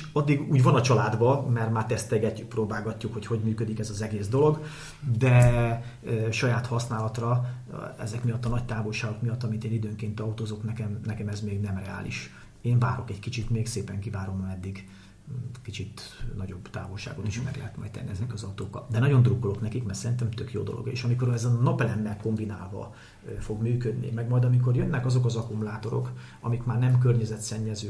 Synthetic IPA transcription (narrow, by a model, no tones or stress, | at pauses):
ɒd̪ːiɡuːɟvɒnɒt͡ʃɒlaːd̪bɒmɛrmaːrt̪ɛst̪ɛɡɛcːukproːbaːɡɒcːukho̞cho̞ɟmyːkød̪ikɛzɒzɛɡeːzd̪o̞lo̞ɡ | d̪ɛ | ʃɒjaːt̪hɒsnaːlɒt̪rɒ | ɛ̰zɛkmijɒt̪ːɒnɒc̚t̪aːvo̞lʃaːɡo̞kmijɒt̪ːɒmint̪eːnid̪øːŋkeːnt̪ɒut̪oːzo̞knɛkɛmnɛkɛmɛzmeːɡnɛmrɛa̰ːlʔḭʃ | eːɱva̰ːɾo̞kɛckit͡ʃit̪meːɡseːpɛŋkivaːɾo̞mɛd̪ːiɡ | kit͡ʃit̪nɒɟo̞bt̪a̰ːvo̞lʃa̰ːɡot̪iʃmɛ̰rlɛ̰ɦɛt̪mɒ̰jt̪̚t̪ɛ̰nːiɛzɛkɒzɒut̪oːkːɒ̰ld̪ɛnɒɟo̞nd̪rukːolo̞k̪nɛkikmɛrsɛɾint̪ɛmt̪økjo̰ːd̪o̞lo̞̰ɡḛːʃɒmiko̞ɾɛzɛnɒpɛlɛmːɛlko̞mbinaːlvɒ̰ | fo̞ɡmyːkød̪nḭmɛɡmɒjd̪ɒmiko̞rjønːɛkɒzo̞kɒzɒkumulaːt̪o̞ɾo̞̰k | ɒ̰mikmaːrnɛmkørɲɛzɛt̪sɛɲːɛzøː